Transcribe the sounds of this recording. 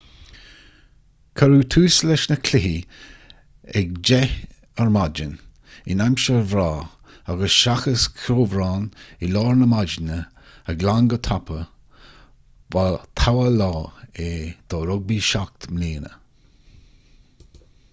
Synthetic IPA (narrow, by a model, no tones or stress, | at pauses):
kʰəɾuːt̪ʰuːslɛʃnəkʰlɪɦi | ɛk̚d͡ʒɛ | əɹmad͡ʒən | ɪnamʃəvɾaː | aɡəsʃaxəskʰɾoːvɾaːnɪlɔːɹnəmad͡ʒnə | əɡlaŋɡət̪ʰapʰə | vat̪ʰawəlɔːed̪̥ɔɾʊɡ̚biʃak̚t̪mleːnə̰